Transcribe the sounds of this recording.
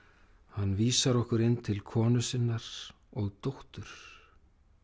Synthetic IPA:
hanːviːsaɾɔhkʏɾɪnːt̪ʰɪlkʰɔːnʏsɪnːaɾ̥ | ɔɣt̪owht̪ʏɾ̥

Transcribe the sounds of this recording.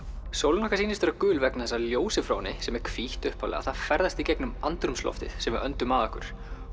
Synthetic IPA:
sowlnɔkasiːnɪst̪ɛɾakʏːlvɛknaθɛsːaljoːwsɪfɾownɪsɛmɛɾ̥kʰviht̪ʏhpʰalɛ̰ɣa̰θaðfɛɾðast̪icɛknʏmant̪ɾʏmslɔ̰ft̪ɪ̰ðsɛmvɪœnt̪ʏmaðɔhkʏɾ̥

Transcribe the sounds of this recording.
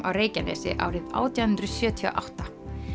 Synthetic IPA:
awɾeːjcanɛ̰sɪ̰ʔa̰ːwɾɪða̰ːwt̪jawhɨnt̪ɾʏsjœːt̪ʰia̰ʔawht̪a

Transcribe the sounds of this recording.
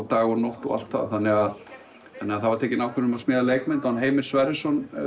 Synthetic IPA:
t̪aːɣɔnowht̪ɔ̰a̰l̥t̪θa̰ðθanːɛɣað | θanːɛaθavaɾt̪ʰeːcɪnaːwkʰvɛɾnʏmasmɛːðaleːjkmɛɪnt̪ahanɦeːjmɪ̥svaɾɪsɔn

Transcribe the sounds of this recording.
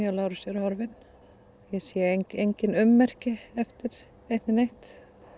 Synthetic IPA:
ɛlaːwɾʏsjɛɾʏhɔɾvɪn | jɛsjɛeejɲcɪnʏmːɛr̥cɪɛft̪ɪɾ̥ | ejht̪nɪnejht̪

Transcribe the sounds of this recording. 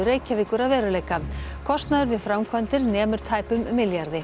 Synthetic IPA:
ʏɾeːjcavɪkʏɾaðvɛːɾʏleːjkakʰɔst̪naðʏɾvɪðfɾawmkʰvant̪ɪɾnɛːmʏɾ̥t̪ʰaːjpʏmːɪljaɾðɪ

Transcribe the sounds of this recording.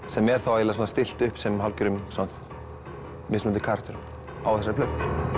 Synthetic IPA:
sɛmɛɾ̥θawavɛlas̬ɔnast̪ɪl̥t̪ʏhpsɛmɦalcʏɾʏmsanat̪ | mɪsmʏnt̪ɪkʰaɾ̥t̪ʏɾ | a̰wθɛs̬ːaɾplœkn

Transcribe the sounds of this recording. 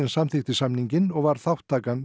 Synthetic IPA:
ɪnsamθɪxt̪ɪsamniɲcɪnɔɣvaɾ̥θawht̪ʰːaːkan

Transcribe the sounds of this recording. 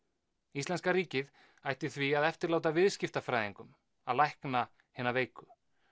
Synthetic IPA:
ist̪ɛnskaɾiːcɪð | ajht̪ɪθviaðɛft̪ɪɾlaːwt̪avɪðscɪft̪afɾajðiŋkʏm | aðlajhkna | hɪːnaveːjkʏ

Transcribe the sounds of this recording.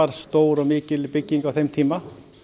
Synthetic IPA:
aɾ̥st̪oːwɾɔmɪːcɪlpɪcːiŋkawθejmt̪ʰiːma

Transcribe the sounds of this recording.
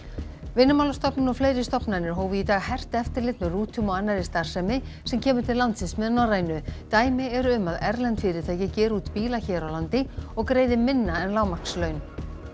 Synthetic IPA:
vɪnːʏmawlast̪ɔpnʏnɔɣfleːjɾɪst̪ɔpnanɪɾ̥ɦoːwvɪit̪aːɣhɛr̥t̪ɛft̪ɪɾlɪt̪mɛruːt̪ʰʏmɔɣanːaɾɪst̪aɾ̥sɛmɪ | sɛmcʰɛːmʏ̥ɾ̥t̪ʰɪlant̪sɪnsmɛðʏnaraːjnʏt̪aːjmɪɛɾʏʏmaðɛɾlɛnt̪fɪːɾɪt̪ʰaːjcɪcɛːɾuːt̪piːlaçɛːɾawlant̪ɪɔɣkɾeːjðɪmɪnːaɛnlaːwmakslœɥn

